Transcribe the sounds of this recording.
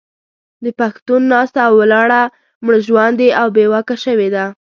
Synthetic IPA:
d̪əpaxt̪unːɑst̪aːwːalɑɽa | mɽəʒwand̪eawbewakaʃəwed̪a

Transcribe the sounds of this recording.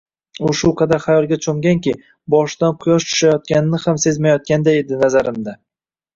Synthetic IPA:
ʊʃʊqʰɑd̪aɾχajɒlˠɡʲat͡ʃʰomɡʲaŋkʲɪ | bɒʃd̪anqʰʊjɒʃt͡ʃ̪ʰʊ̥ʃajɒt̪̚kʲanɪnɪhamse̞zmajɒt̪̚kʲand̪aed̪ɪnazaɾɪmd̪a

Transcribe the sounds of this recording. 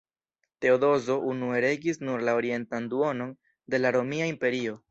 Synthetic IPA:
te̞odo̞zo̞ʔunue̞ɾe̞ɡisnuɾlao̞ɾie̞ntanduo̞no̞n | de̞laɾo̞miaimpe̞ɾio̞

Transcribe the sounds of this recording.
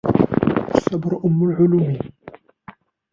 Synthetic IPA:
ʔasːɑbɾʔʊmːʊlʕʊlumi

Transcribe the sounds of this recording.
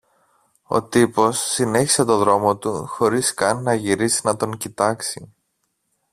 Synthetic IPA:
o̞̰t̪ipo̞sːine̞çi̥se̞t̪o̞ðɾo̞mo̞t̪uxo̞ɾiskɐnːɐʝiɾisinɐt̪o̞ŋcit̪ɐksi

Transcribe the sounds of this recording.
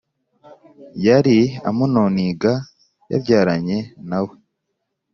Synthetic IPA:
jaɾia̰munoniɡa | ja̰bɟaːɾaɲe̞nawe

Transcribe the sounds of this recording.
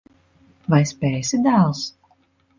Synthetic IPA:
vajspʲɛːsid̪alˠs

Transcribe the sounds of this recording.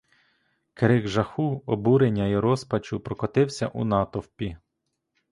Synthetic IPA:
keɾɪɣʒɐxuɔbuɾenʲːɐiɾɔspɐt͡ʃʊpɾɔkɔt̪ɪwsʲɐ̰ʔṵnɑt̪ɔwpʲi

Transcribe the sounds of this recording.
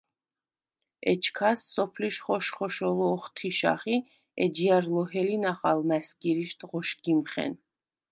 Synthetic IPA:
ɛ̰t͡ʃʰkʰasːɔpʰliʃχɔʃχɔʃɔlɔːχt̪ʰiʃa̰χi | ɛd͡ʒiaɾlɔɦɛlinaχalmæskʼiɾiʃt̪ʼʁɔʃɡimχɛ̰n

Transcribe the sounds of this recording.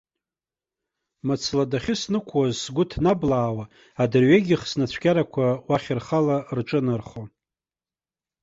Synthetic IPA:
mɨt͡sʰladaχʲɪsnɨkʷʰwazsɡʷʊtʰnablaːwa | adɨrɥeɡʲɪχsnat͡ɕʷʰɡʲaɾakʷʰawaχʲɪrχalarʈ͡ʂʼɨnɨrχo

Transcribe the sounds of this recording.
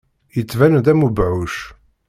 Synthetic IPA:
jət͡sːvænd̪æmubʕuʃ

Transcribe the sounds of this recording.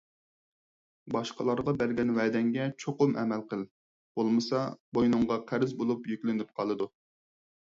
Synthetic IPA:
bɑʃqəlˠɑɾʁɑbæɾɡʲɛnwɛd̪ɛŋɡʲɛt͡ʃʰoqʊmʔɛ̰mɛlqəlˠ | b̥olˠmɨsɑbojnʊɴʁɑqʰæɾɪzbolˠupjykʲlɪnɪp̚qʰɑlˠɨd̪u

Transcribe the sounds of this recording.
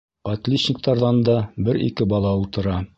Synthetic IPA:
ʁɑt̪lʲiɕnʲɪk̚t̪ɑɾðɑnd̪ɑbɘɾḭkɘbɑlˠɑulˠt̪ɤ̆ɾɑ

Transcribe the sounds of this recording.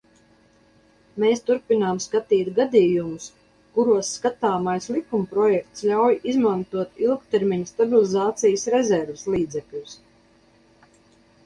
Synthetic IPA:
meːst̪uɾpinaːmskat̪iːt̪ɡad̪iːjumʊs | kuɾuɔsːkat̪aːmajslˠikumpɾɔjɛk̚t̪slʲawjʔizmant̪uɔt̪ilˠkt̪ɛɾmiɲst̪abilizaːt̪sijsɾɛzɛɾvɪslˠiːd̪zɛklʲus

